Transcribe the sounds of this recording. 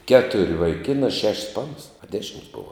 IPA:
ˈkʲæːtʊrʲ ʋɐɪˈkʲɪnɑː ˈʃʲɛʃʲs ˈpɑːnɐs ɐ ˈdʲæːʃʲɪmʲsʲ ˈboːʋɐ

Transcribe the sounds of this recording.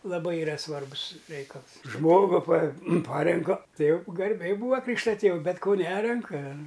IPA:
lˠɐˈbɐɪ ɪˈrɐ ˈsʋɐrbʊs ˈrʲɛɪkɐlˠs ˈʒmoːɡʊ pɐ ˈpɑːrʲɛŋkɐ tɐɪ jɛʊ ɡɐrʲˈbʲɛɪ ˈbuːɐ ˈkrʲiːkʃtɐ ˈtʲeːw ˈbʲɛt koː ˈnʲæːrʲɛŋkɐ

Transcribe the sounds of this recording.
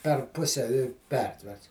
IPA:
pʲɛr ˈpʊsʲɛ ɪ ˈpʲɛrʲtʲʋʲɛrts

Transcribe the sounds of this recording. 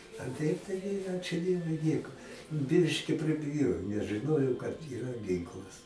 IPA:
ɐ ˈtɐɪp tɐɪˈɡʲɪ ˈɑːt͡ʃʲʊ ˈdʲiɛʋʊɪ ˈnʲiɛkʊ ˈbʲɪʃʲkʲɪ pʲrʲɪbʲɪˈjoːjoː nʲɛs ʒɨˈnoːjoː kɐt iːˈrɐ ˈɡʲɪŋklˠɐs

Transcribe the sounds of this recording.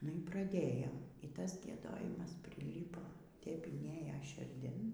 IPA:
nʊ iː prɐˈdʲeːjoːm iː ˈtɐs ɡʲiɛˈdoːjɪmɐs pʲrʲɪˈlʲiːpoː tʲɛp ɪnʲˈeːjoː ʃʲɪrʲˈdʲɪn

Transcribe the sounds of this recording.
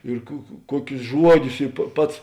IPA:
ɪr kʊ kʊ ˈkuɔkʲʊs ˈʒuɔˌdʲʊs ɪ pɐ ˈpɐts

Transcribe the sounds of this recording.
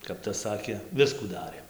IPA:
kɐp ˈtɐs ˈsɑːkʲeː ˈʋʲɪskuː ˈdɑːrʲeːm

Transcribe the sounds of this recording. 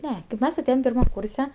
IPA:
ˈnʲɛ kɐɪp ˈmʲɛs ɐˈtʲeːjɛm pʲɪrˈmɐm ˈkuːrʲsʲɛ

